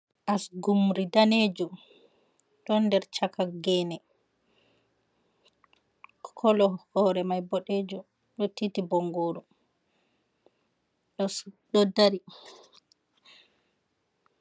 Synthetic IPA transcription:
ʔasɡumɾidaned͡ʒu | ɗɔndɛɾt͡ʃakaɡɛnɛ | kʰɔlɔhɔɾɛmajbɔɗeːd͡ʒu | ɗotːitibɔŋɡoːɾu | ɗɔɗɔdaɾi

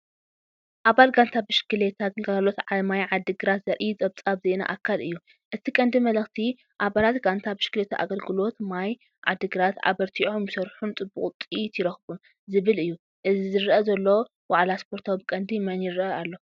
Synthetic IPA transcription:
ʔaβalɡant̪ʰabɨʃkɨlet̪ʰat̪ŋkʰalo̞t̪ʕamajʕad̪ɨɡɨɾat̪z̥ɐɾʔit͡sʼɐβt͡sʼaβzena̰ʔakʰːalɨjːu | ʔɨt̪ʰikʼɐnd̪imɐlɐxt̪ʰi | ʔaβalat̪ɡant̪ʰabɨʃɡ̥ɨlet̪ʰaʔa̰ɡɐlɡɨlo̞t̪maj | ʕa̰d̪ɨɡɨɾat̪ʕa̰βɐɾt̪ʰiʔomjɨsɐɾħunt͡s̪ʼɨbuχʼt̪ʼit̪ʰjiɾɐxbun | zɨβɨlɨjːu | ʔɨzizɨɾʔɐzɐlːo | waʕlaspʰo̞ɾt̪ʰawibɨkʼɐnd̪ijmɐnjɪɾʔɐalːo̞

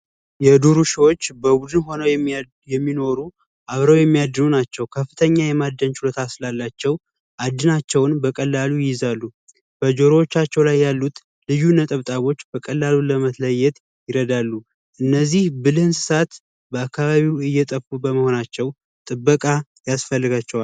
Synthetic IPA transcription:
jɛd̪uɾuʃiwo̞t͡ʃːbəbud̪ɨnho̞nəw | jɛmːino̞ɾu | ʔaβɾəwjɛmːijad̪ːɨnunat͡ʃːɛwkʰəfːɨt̪ʰəɲːajɛmad̪ːənt͡ʃulot̪ʰasɨlalːat͡ʃːɛw | ʔad̪ːɨnat͡ʃːɛwnbəkʼəlːalujɪjɪzalːu | b̥əd͡ʒoɾowot͡ʃːat͡ʃːɛwlajːalːut̪ | lɨjunət̪ʼəβt̪ʼaβo̞t͡ʃːbəkʼəlːaluləmət̪ləjɛt̪ | jɪɾəd̪alːu | ʔɨnːəzːihbɨlɨnsɨsat̪ | bəakːaβaβiwɨjːɛt̪ʼəfubəməho̞nat͡ʃːɛw | t̪ʼɨbːəkʼa | jasfəlːɨɡat͡ʃːɛwa

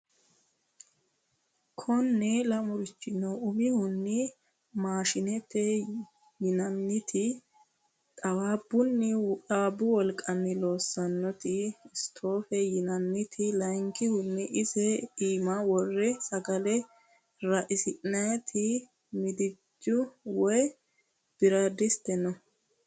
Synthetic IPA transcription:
kʰɔnːɛlɐmʊɾɪt͡ʃːɪnɐʊmɪhʊnːɪ | maːʃɪnɛt̪ːɛ | jɪnɐnːɪt̪ʰɪ | t̪ʼɐwaːbʊnːɪɐabʊwɔlkʼːɐnːɪlo̞ːsːɐnːɔt̪ɪɪst̪ʰo̞ːfɛjɪnɐnːɪt̪ʰɪlɐjŋkːɪhʊnːɛʔɪsɛiːmɐwɔrːɛsɐɡɐlɛ | ɾɐʔɪsɪʔnɐjɛt̪ʰɪ | mɪd̪ɪd͡ʒːʊwɔj | b̥ɪɾɐd̪ɪst̪ɛnɔ

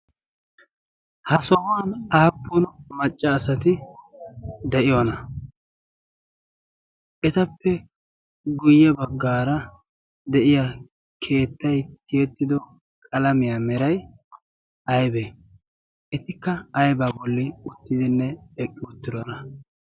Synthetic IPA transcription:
hɐsɔhʊwɐnaːpːʊnmɐt͡ʃʼːɐːsɐt̪ɪ | d̪ɛʔɪjɔnɐ | ʔɛt̪ɐpːɛ | ɡʊjːɛbɐɡːaːɾɐ | d̪ɛʔɪja | kʰe̞ːt̪ːɐjt̪ɪjɛt̪ːɪd̪ɔ | kʼɐlɐmɪjaːmɛɾɐj | ʔɐjbɛ | ʔɛt̪ɪkːɐːjbabɔlːɪʊt̪ːɪd̪ɪnːɛɛkʼːɪʊt̪ːɪd̪ɔnɐ

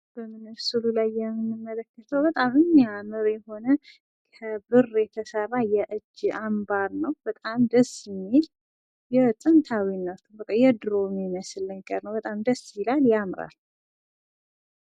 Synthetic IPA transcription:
b̥əmɨnɨβsɨlulajːɛmɨnːɨmːələkːət̪ʰəwbət̪ʼamɨmjamɨɾjɛho̞nə | kʰəbɨrjɛt̪ʰəsərːajɛʔɨd͡ʒambaɾnəwbət̪ʼamd̪əsme | jɛsʼənt̪ʰawinːawt̪ʰɨbəkʼajɛd̪ɾomiməsɨləɲɡəɾnəwbət̪ʼamd̪əsjɪlaljamɾa̰l

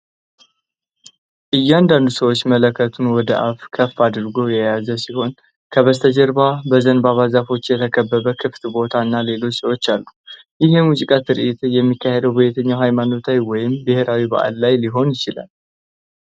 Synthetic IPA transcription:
ʔɨjːɛand̪and̪usəwo̞t͡ʃːmələkʰːət̪ʰunwɔd̪əʔafkʰəfːad̪ɾɡo̞jɛjazəsiho̞n | kʰəβəst̪ʰəd͡ʒɛɾbabəzənbaβazafo̞t͡ʃːjɛt̪ʰəkʰəbːəβəkʰɨft̪bo̞t̪ʰaɨnːale̞lo̞t͡ʃːsəwo̞t͡ʃːalːu | jɪɦɨmuzikʼat̪ʰɨɾʔit̪jɛmːikːahed̪əwbəjɛt̪ʰəɲːawɦajmano̞t̪ʰajwɔjɪmbɨheɾawiba̰ʔa̰lːajliɦo̞njɪt͡ʃɪla̰l

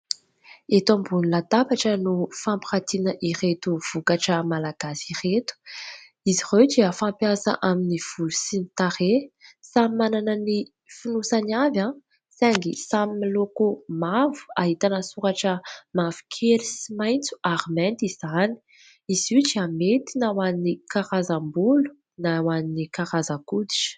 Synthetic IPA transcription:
et̪ãmbunilat̪apaʈ͡ʂənufãmpiχat̪inəʔiɾet̪uv̥ukaʈ͡ʂəmalaɡ̥asiret̪u̥ | iziʁotiəfãmpjasa̰ʔaminiv̥ulusinit̪aɾesamimananəni | finusanavã | saŋɡisamimilokomavu̥aɦit̪anəsuɾaʈ͡ʂəmavi̥kʰeɾisimajnt͡su̥aɾimɛnt̪iz̥ani̥ | iz̥iʈ͡ʂiamet̪inawannikaɾazambulu̥ | nawaninikaɾazakud̪i̥ʈ͡ʂ

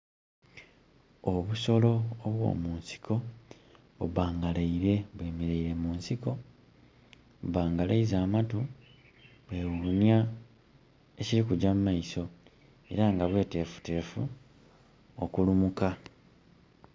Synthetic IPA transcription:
o̞βuso̞lo̞ːβwo̞̰ːmuːnsi̥kʰo̞ | βuβaːŋɡaleiɾe̞βwe̞ːmeɾeiɾe̞muːnsiko̞ | βaːŋɡalḛizaːmatu | βwe̞ːwunja | eciɾikuɟamumaiso̞ | e̞̰ɾaŋɡaβwe̞ːte̞ːfu̥te̞ːfu | okulumuka

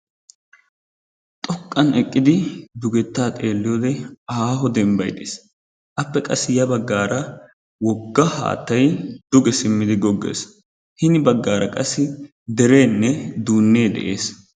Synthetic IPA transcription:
t̪ʼɔkʼːɐnɛkʼːɪd̪ɪd̪ʊɡɛt̪ːaːt̪ʼe̞ːlːɪjod̪ɛɐaːɦɔd̪ɛmbɐjd̪eːs | ʔɐpːɛkʼɐsːɪjɐbɐɡːaːɾɐ | wɔɡːɐha̰ːt̪ːɐjd̪ʊɡɛsɪmːɪd̪ɪɡɔɡːḛːs | hɪnɪbɐɡːaːɾɐkʼɐsːɪ | d̪ɛɾe̞ːnːɛd̪uːnːe̞ːd̪ɛ̰ʔe̞ːs

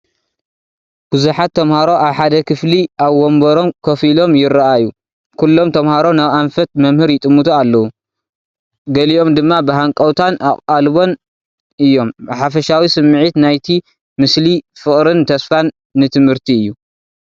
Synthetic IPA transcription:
b̥uzuħat̪ʰːɐmhaɾo̞ʔaβħad̪ɐkʰɨfliʔaβːombɐɾo̞mkʰɐfilo̞mjɪɾaʔaju | kʰulːo̞mt̪ʰɐmhaɾo̞naβanfɐt̪̚mɐmhɨɾjɪt̪ʼɨmːut̪ʰualːɐwu | ɡɐliʔo̞md̪ɨmːabɨɦaŋkʼɐwt̪ʰanaχʼalβo̞n | ʔɨjːo̞mħafɐʃawisɨmːɨʕit̪najt̪ʰi | mɨslifɨkʼɾɨnt̪ʰɐsfanː | ɨt̪ʰɨmhɨɾt̪ʰiɨjːu

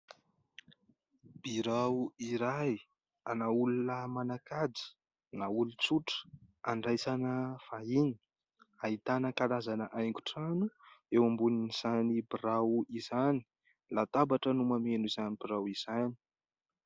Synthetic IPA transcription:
b̥iɾawiɾaj | anaulunəmanakad͡zi̥ | naulut͡suʈ͡ʂə̥aɳɖ͡ʐajsanəfaini̥ | ait̪anəkaɾazanəʔajŋku̥ʈ͡ʂanuewambuniniz̥anibiɾawizani̥ | lat̪abaʈ͡ʂənumamenuizanibiɾawiz̥ani̥

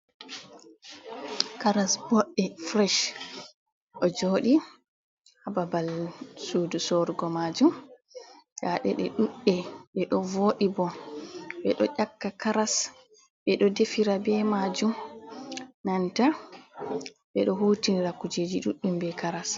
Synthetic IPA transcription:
kaɾasbɔɗːɛfɾɛʃ | ʔɔd͡ʒoɗi | hababalsudusɔɾɡɔmad͡ʒum | jaɗɛɗɛɗuɗːɛɓɛɗɔvoɗibɔ | ɓɛɗɔ̰ʔakːakaɾas | ɓɛɗɔdefiɾabɛmad͡ʒum | nanta | ɓɛɗɔɦuːtinɾakːud͡ʒed͡ʒiɗuɗːumbɛkaɾas

